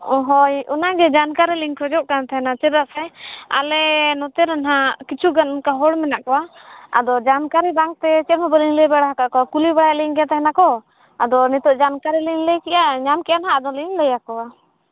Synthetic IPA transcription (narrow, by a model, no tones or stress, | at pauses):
ɔɦɔjɔnaɡɛd͡ʒankaɾɛliŋkʰɔd͡ʒɔʔkant̪aɦɛnat͡ʃɛɾaʔsɛa̰lɛnɔt̪ɛɾɛnɦakit͡ʃʰuɡanmkaɦɔɽmɛnaʔkɔwaa̰d̪ɔd͡ʒankaɾibaŋt̪ɛt͡ʃɛɾmɔbɔliŋlɛbɛɽaɦakaʔkɔakulibɛɽaʔliŋɡɛt̪ɛɦɛnakɔ | ad̪ɔnit̪ɔʔd͡ʒankaɾɛliŋlɛkɛjaɲamkɛjanɦaːd̪ɔliŋlɛjakɔwa